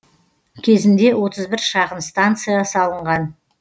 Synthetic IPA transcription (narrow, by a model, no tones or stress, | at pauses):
kʲʰe̞zɪnd̪e̞wo̞t̪ʰəzbɪɾʃɑqənst̪ant̪sɨjasɑlˠəɴʁɑn